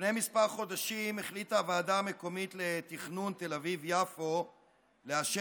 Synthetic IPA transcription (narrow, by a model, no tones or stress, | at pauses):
ʃnejmispaʁχo̞daʃimeχlitavaːdame̞ko̞mit̪le̞t̪iχnunt̪e̞lavivjafo̞ | leaʃe